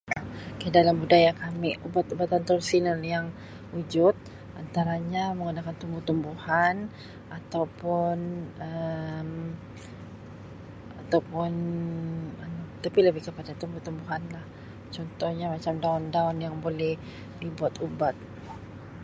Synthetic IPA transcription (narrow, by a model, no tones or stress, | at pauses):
kadalambudajakamɪubat̪ubat̪ant̪ɾodisinaljaŋ | ud͡ʒʊt̪̚ | ʔant̪aɾaɲaməŋɡunakant̪umbuht̪umbuhan | at̪awpʊnəm | at̪awpʊn | ət̪apiləbɪhkəpadat̪umbuht̪umbuɦanlah | t͡ʃɔnt̪ɔhɲamat͡ʃamdaʊndaʊnjaŋbolɛh | dibuat̪ubat̪̚